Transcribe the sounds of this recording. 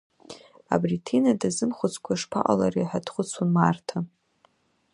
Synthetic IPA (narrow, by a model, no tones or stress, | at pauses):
a̰britʰinadazɨmχʷʊt͡sʰʼkʷʰaʂpʰa̰ʔʼa̰lariħadχʷʊt͡sʰunmartʰa